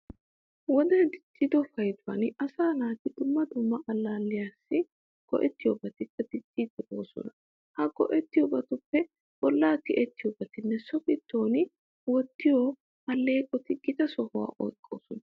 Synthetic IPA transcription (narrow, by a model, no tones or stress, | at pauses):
wɔd̪ɐnd̪ɪt͡ʃʼːɪd̪ɔfɐjd̪ʊwɐnɐsaːnaːt̪ɪd̪ʊmːɐd̪ʊmːɐʔɐlːaːlːɪjaːsːɪ | ɡ̥ɔ̰ʔɛt̪ːɪjɔbɐt̪ɪtːɐd̪ɪt͡ʃʼːɪd̪ɛʔo̞̰ːsɔ̰nɐ | hɐɡɔ̰ʔɛt̪ːɪjɔbɐt̪ʊpːɛ | b̥ɔlːaːt̪ɪʔɛt̪ːɪjɔbɐt̪ɪnːɛsɔfɪt̪ːoːnɪ | wɔt̪ːɪjɔ | ɐlːe̞ːkʼɔt̪ɪɡɪt̪ɐsɔhʊwa̰ːʔɔ̰jkʼːo̞̰ːsɔnɐ